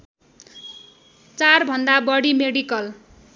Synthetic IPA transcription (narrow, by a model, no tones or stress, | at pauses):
t͡sarbʱʌnd̪abʌɽimeɽikʌl